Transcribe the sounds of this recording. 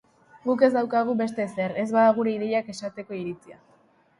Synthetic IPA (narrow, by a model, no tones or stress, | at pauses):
ɡuke̞zd̪awkaɣ̞uβe̞s̬t̪e̞se̞ɾe̞zβaðaɣ̞uɾe̞iðe̞jake̞sat̪e̞ko̞iɾit͡sia̰